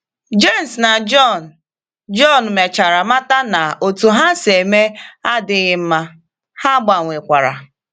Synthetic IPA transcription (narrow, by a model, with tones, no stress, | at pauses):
d͡ʒe˦˨m̩˨sna˨d͡ʒɔ˦˨n̩˨ | d͡ʒɔ˦˨n̩˨me˨t͡ʃa˨ɾa˨ma˦ta˦na˨o˨tu˨ɦa˦se˨me˦a˦dɪ˦ɣɪ˦m̩˦ma˦ | ha˦ɡ͡ba˨ŋʷe˨kʷa˨ɾa̰˨